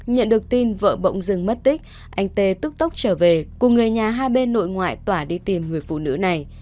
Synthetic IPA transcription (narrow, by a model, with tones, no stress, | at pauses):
ɲə̰˧˨nɗɨ˨˩ək̚t̪i˧nvə̰ː˧˨ɓə̰˧˨wŋ͡mzɨ˧˩ŋmə˦˥t̚t̪ï˦˥k̟̚ | ʔa˧jŋ̟t̪e˧t̪ɨ˦˥k̚t̪ə˦˥wk͡p̚t͡ɕəː˧˩ve˨˩ku˨˩ŋɨ˨˩əjɲaː˨˩ɦaː˧ɓe˧nːo̰˧˨jŋwa̰ː˧˨jt̪waː˧˩ɗi˧t̪i˨˩mŋɨ˨˩əjfṵ˧˨nɨ̰˧˥na˨˩j